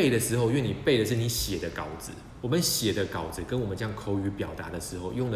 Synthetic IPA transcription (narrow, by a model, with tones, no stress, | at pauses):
e˥˩ɪd̪ə˩ʂɻ̩˧˥xo˥˧ʊɥɛ˥˨ni˨˩pe˥˩ɪd̪ə˩ʂ̬ɻ̩˥˩ni˧˥ɕjɛ˨˩d̪ə˦ka˨˩ʊd͡zɹ̩˨˦ | wɔ˨˩mə˦nɕjɛ˨˩d̪ə˦kɑ˨˩ʊd͡zɹ̩˨˩kə˦nwɔ˨˩mə˦nʈ͡ʂə˧jɑ˥˨ŋkʰo˥ʊy˧˥pjɑ˨˩ʊt̪a̰˧˦d̪ə˨ʂɻ̩˧˥xo˥˧ʊjʊ˥˩ŋlə